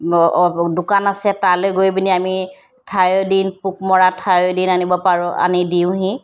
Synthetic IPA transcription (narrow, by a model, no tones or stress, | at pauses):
dʊkanasɛtalojɡojbiniami | tʰajodinpukmɔɹatʰajodinanibɔpaɹʊa̰nidiʊ̃ɦĩ